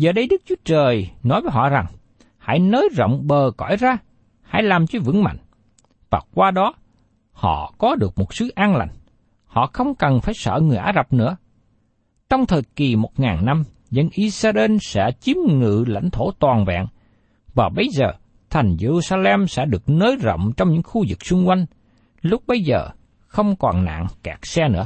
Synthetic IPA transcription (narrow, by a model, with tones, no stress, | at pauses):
zəː˨˩ɗə˧˦jɗɨ˦˥k̚t͡ɕu˨˦ət͡ɕəː˨˩jnɔ˨˦jvəː˨˦jɦɔ̰˧˨za˨˩ŋ | ha̰˧˥jnəː˨˦jzə̰˧˨wŋ͡mɓəː˨˩kɔ̰˧˥˨jzaː˧ | ha̰˧˥jlaː˨˩mt͡ɕɔ˧vɨ̰˧˥ŋma̰˧˨jŋ̟ | vaː˨˩kwaː˧ɗɔ˨˦ | hɔ̰˧˨kɔ˨˦ɗɨ˨˩ək̚mo˨˩t̚sɨ˨˦ʔaː˧nla̰˧˨jŋ̟ | hɔ̰˧˨xə˧wŋ͡mkə˨˩nfaː˧˩jsə̰ː˧˨ŋɨ˨˩jʔaː˨˧˥za˨˩p̚nɨ̰˧˥ə | t͡ɕɔ˧wŋ͡mt̪ʰəː˨˩jki˨˩mo˨˩t̚ŋaː˨˩nːa˧m | zə˧nʔi˧saː˧ʔe˧nsɛ̰˧˥t͡ɕi˨˦mŋɨ̰˧˨la̰˧˥jŋ̟t̪ʰo˧˩t̪waː˨˩nvɛ̰ː˧˨ŋ | vaː˨˩ɓə˨˦jzəː˨˩ | t̪ʰa˨˩jŋ̟ze˧zu˧saː˧lɛ˧msɛ̰˧˥ɗɨ˨˩ək̚nəː˨˦jzə̰˧˨wŋ͡mt͡ɕɔ˧wŋ͡mɲɨ̰˧˥ŋxu˧zɨ˨˩k̚sʊ˧ŋ͡mkwa˧jŋ̟ | lʊ˦˥k͡p̚ɓə˧jzəː˨˩ | xə˧wŋ͡mkɔ˨˩nna̰ː˧˨ŋkaː˨˩k̚sɛ˧nɨ̰˧˥ə